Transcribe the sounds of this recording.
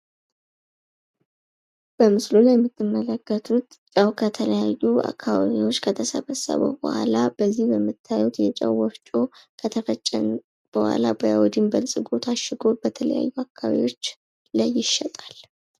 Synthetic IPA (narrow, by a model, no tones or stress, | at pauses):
b̥əmɨsluljɛmːɨt̪ʰːɨmːələkːət̪ʰut̪t͡ʃʼəwkʰət̪ʰələjajːua̰kʰːaβaβiwo̞t͡ʃːkʰət̪ʰəsəβəsːə̰βə̰wbo̰ha̰lab̥əzːihbəmːɨt̪ʰːajut̪jɛt͡ʃʼəwːɔft͡ʃʼokʰət̪ʰəfət͡ʃʼːə̰n | b̥əhwa̰labəjawɔd̪imbəlsʼɨɡot̪ʰaʃɪɡo̞bət̪ʰələ̰ja̰jːuakʰːaβḭwo̞t͡ʃː | lajːɪʃɛt̪ʼal